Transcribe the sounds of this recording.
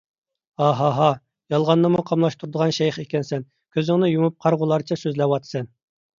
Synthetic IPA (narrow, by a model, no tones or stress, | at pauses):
ɑɦɑɦɑ | jɑlˠʁɑnːɑmuqʰɑmlˠɑʃt̪ʰuɾd̪əʁɑnʃɛjχekʲɛnsɛn | kʲʰøzɪŋnɪjumup̚qʰɑɾʁʊlˠɑɾt͡ʃʰɛsøzlɛwɑt̪ʰɨ̥sɛn